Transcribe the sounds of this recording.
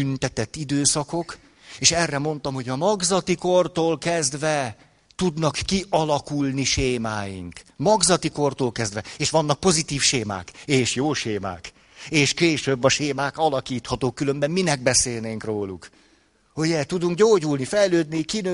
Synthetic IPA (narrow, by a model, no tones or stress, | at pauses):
ynt̪ɛt̪ɛt̪ːid̪øːsɒko̞k | eːʃɛrːɛmo̞n̪t̪ɒmho̞ɟɒmɒɡzɒt̪ikort̪oːlkɛzd̪ʋɛ | t̪ud̪nɒkːiʔɒlɒkulniʃeːmaːjḭŋkmɒɡzɒt̪iko̞rt̪oːlkɛzd̪ʋɛeːʃʋɒnːɒk̚po̞zit̪iːfʃeːma̰ːkeːʃjoːʃeːma̰ːk | eːʃkeːʃøbːɒʃeːmaːkɒlɒkiːt̪hɒt̪oːkːylø̞mbɛmːinɛɡ̚bɛseːlneːŋkroːluk | hujɛt̪ud̪uŋkɟoːɟulnifɛjløːd̪nikinø